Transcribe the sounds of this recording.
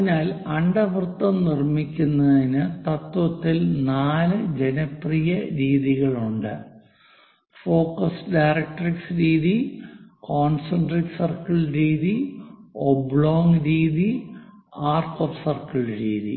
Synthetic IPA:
naːlɐɳɖɐʋrɨt̪ːɐmnirmikʲːunːɐðinɨt̪ɐt̪ʋɐt̪ːilnaːlɨd͡ʑenɐprijɐɾiːðiɣɐɭuɳɖɨ | fo̞ːkːɐsɖajrɐk̚ʈːɐriksɾiːðikoːnsɐɳɖrisɐrkɐɭɾiːðiobɭoːŋɾiːði | aːrtofsɐrkɐɭɾiːðḭ

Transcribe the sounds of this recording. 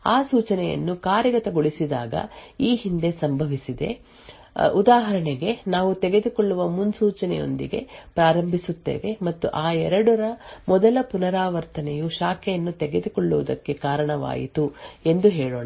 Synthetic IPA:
aːsuːt͡ʃɐnɛjɐ̰nːukaːɾjɐɡɐt̪ɐɡoɭisid̪aːɡɐ̰iːɦind̪e̞sɐmbʱɐʋisid̪e̞̰ | ud̪aːɦɐɾɐɳeɡe̞naːʋut̪eɡe̞d̪ukoɭːuʋɐmunsuːt͡ʃɐnɛjo̞̰nd̪iɡe̞̰pɾaːɾɐmbʱisut̪ːḛːʋe̞mɐt̪ːuʔaːɛɾɐɽɔɾɐmɔd̪ɐlɐpunɐɾaːʋɐɾt̪ɐnɛjuʃaːkʰɛjɐnːut̪ɛɡe̞d̪ukɔɭːuʋɐd̪ɐkːe̞kaːɾɐɳɐʋa̰ːjḭt̪ue̞nd̪uɦɛːɭoːɳɐ

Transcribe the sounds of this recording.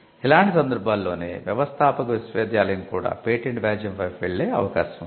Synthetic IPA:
ilaːɳʈisɐnd̪ɐɾbʱaːlːo̞ːnḛːʋjɐʋɐst̪ʰaːpɐkɐʋisʋeːd̪jaːlɐnikuːɽa̰ːpeːʈeɳʈbjaːd͡ʒjɐmpɐjʋeɭːeːɐ̰ʋɐka̰ːʃɐm

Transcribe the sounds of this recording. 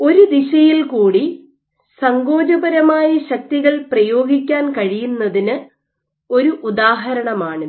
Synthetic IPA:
o̞ɾud̪iɕɐjilkuːɽi | sɐŋɡo̞ːd͡ʑɐbɐɾɐmaːjɐɕɐk̚t̪iɣɐɭprɐjo̞ːɡikʲːaːnkɐɻijunːɐðinɨ | o̞ɾuʔud̪aːɦɐɾɐɳɐmaːɳɨ

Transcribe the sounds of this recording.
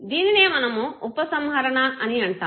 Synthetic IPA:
d̪iːnine̞ːmɐnɐmuupɐsɐmɦɐɾɐɳɐʔɐniɐɳʈa̰ː

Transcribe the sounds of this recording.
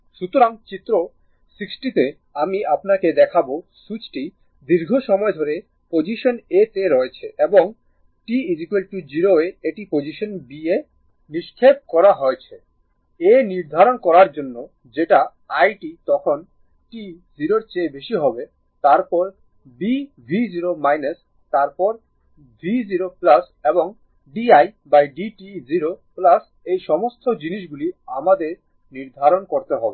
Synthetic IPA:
ʃut̪oɾaŋt͡ɕit̪ːɾo | siksʈit̪e | amiʔapnaked̪ɛkʰaboʃut͡ɕʈi | d̪iɾɡʱoʃɔmɔed̪ʱoɾe | pod͡ʑiʃonet̪eɾɔet͡ɕʰeʔeboŋ | ʈiid͡ʑikelʈud͡ʑiɾoeeʈipod͡ʑiʃonbie | niʃkʰep̚kɔɾaɦoet͡ɕʰe | eniɾd̪ʱaɾonkɔɾaɾd͡ʑonːo | d͡ʑeʈa | ajʈit̪ɔkʰon | ʈi | ziɾoɾt͡ɕebeʃiɦɔbe | t̪aɾpɔɾ | bi | bʱid͡ʑiɾomajnes | t̪aɾpɔɾ | bʱid͡ʑiɾoplas | eboŋ | ɖiajbajɖiʈiziɾoplas | ejʃɔmost̪ʰod͡ʑiniʃɡuliamad̪eɾ | niɾd̪ʱaɾonkoɾt̪eɦɔbe

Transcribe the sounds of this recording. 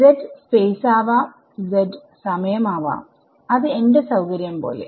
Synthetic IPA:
zeɖfeːsaːʋaː | zeɖ | sɐmɐjɐmaːʋa̰ːm | ɐðɨenɖesɐwkɐɾjɐmpo̞̰ːlḛ

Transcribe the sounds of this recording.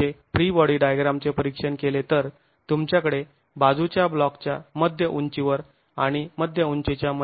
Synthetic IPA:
efɾibɔɽiɖajɡɾamt͡sepəɾikʂənkelet̪əɾ | t̪umt͡ɕjakəɽe | bad͡zut͡ɕjablɔkt͡ɕjaməd̪ʱjəʔuɲt͡ɕiʋəɾ | aɽ̃iməd̪ʱjəuɲt͡ɕet͡ɕjamə

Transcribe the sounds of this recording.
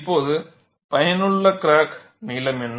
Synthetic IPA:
pːoːðɯ | pɐjɐnɯɭːɐkɪɾaːk | niːlɐmɛnː

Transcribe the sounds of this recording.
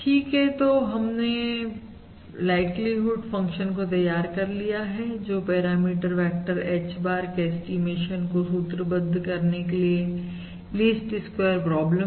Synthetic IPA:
ʈʰiːkɦɛt̪oːɦɐmne | laːɪʈliɦʊɖfɐ̃ŋkʃənkot̪ɐjaːɾkɐɾlijaɦɛd͡ʒoːpɛːɾaːmiːʈəɾfɛːk̚ʈəɾɛːt͡ʃbaːɾkeɛsʈimeːʃənkosuːt̪ɾəbɐ̃nd̪ʱkɐɾnekelie | liːsʈɪskweːɾpɾɔːblə

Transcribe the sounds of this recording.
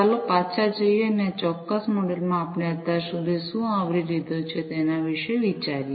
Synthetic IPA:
alopat͡ʃʰad͡ʒəjenẽt͡ʃɔkːəsmɔɽelmãːpɳeət̪asud̪ʱisũaʋɽilid̪ʱot͡ʃʰet̪ɛnaʋiʃəjʋit͡ʃaɾi

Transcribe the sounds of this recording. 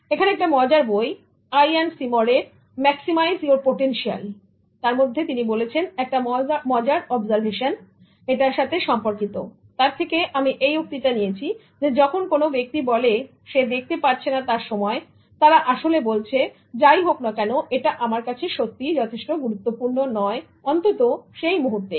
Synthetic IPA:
ekʰaneɛkʈamɔd͡ʑaɾboj | ajansimoɾeɾ | mɛksimajzoɾpoʈenʃia̰l | t̪aɾmod̪ʱːet̪inibolet͡ɕʰenɛk̚ʈamɔd͡ʑaɾɔbzaɾbʱeʃan | eʈaɾʃat̪ʰeʃɔmpoɾkit̪o̰ | t̪aɾt̪ʰekeʔamiʔejuk̚t̪iʈanijet͡ɕʰi | d͡ʑed͡ʑɔkʰonkonobek̚t̪ibɔle | ʃed̪ek̚ʰt̪epaɾt͡ɕʰenat̪aɾʃɔmɔe | t̪aɾaʔaʃolebolt͡ɕʰe | d͡ʑajɦoknakɛnoʔeʈaʔamaɾkat͡ɕʰeʃot̪ːid͡ʑɔt̪ʰeʃʈoɡuɾut̪ːopuɾnonɔe | ɔnt̪ot̪oʃejmuɦuɾt̪e

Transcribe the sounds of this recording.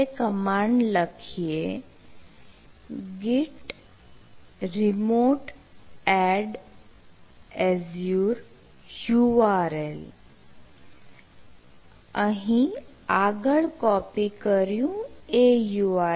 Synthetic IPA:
ekəmaɳɖləkʰije | ɡiʈ | ɾimoʈɛɖ | ɛzjuɾ | juʋaɾel | ãɦi | aɡəɭkɔpikəɾjũejua

